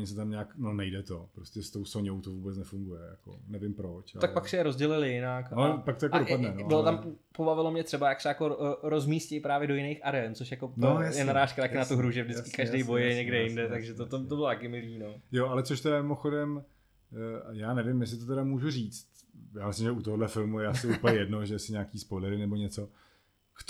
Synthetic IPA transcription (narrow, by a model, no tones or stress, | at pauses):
ɲɪs̬ɛt̪amɲaːknonɛjdɛt̪opɾoscɛst̪o̞wsoɲowt̪ovuːbɛt͡snɛfuŋɡujɛja̰ko̰nɛvɪmpɾot͡ʃt̪akpaksɛjɛɾozɟɛlɪlɪjɪnakpakt̪ojakodopadnɛnobɪlot̪ampobavɪlomɲɛt̪r̥ɛbajaksɛjako̞ɾo̞zmiːscejpɾaːvjɛdo̞jɪnejxʔaɾɛnt͡soʃjakonjajɛnaɾaːʃkat̪akɪnat̪uɦɾuʒɛvdɪt͡skɪ̥kaʒdejbo̞jjɛɲɛɡdɛjɪndɛt̪aɡʒɛt̪ot̪oobɪlot̪akɪmɪliːnojoʔalɛt͡soʃt̪ɛdamɪmoxodɛm | jaːnɛvɪmjɛs̬ɪt̪ot̪ɛdamuːʒuriːt͡st̪jaːmɪslɪmʒɛut̪oɦodlɛfɪlmujɛasɪupəɲɛjɛdnoʒɛsɪɲaːkiːspojlɛɾɪnɛboɲɛt͡so | kt